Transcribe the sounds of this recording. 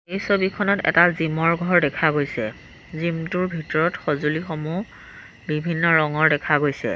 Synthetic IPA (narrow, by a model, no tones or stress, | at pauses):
ejsobikʰɔnɔtɛ̰tazimɔɹɡʱɔɹdɛkʰaɡojsɛ | zimtuɹbʱitɔɹɔtxozulixomu | bibʱinːɔɹɔŋɔɹdɛkʰaɡojsɛ̰